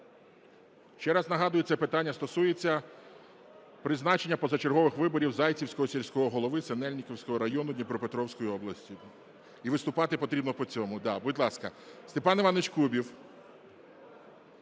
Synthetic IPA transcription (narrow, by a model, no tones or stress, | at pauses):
ʃt͡ʃɛɾɑznɐɦɑd̪ʊjet͡sʲɛpɪt̪ɑnʲːɐst̪ɔsujet͡sʲːɐ | pɾɪznɑt͡ʃenʲːɐpɔzɐt͡ʃerɦɔʋɪxʋɪbɔɾʲiwzɑjt͡sʲiwsʲkɔɦɔsʲelʲsʲkɔɦɔɦɔlˠɔʋɪsenɛlʲnʲikɔwsʲkɔɦɔɾɐjɔnʊd̪ʲnʲipɾɔpet̪ɾɔwsʲkɔjiɔblˠɐsʲtʲi | iʋɪst̪ʊpɑt̪ɪpɔt̪ɾʲibnɔpɔt͡sʲɔmʊd̪ɑbʊdʲlˠɑskɐst̪epɑnɪʋɑnːet͡ʃkubʲiw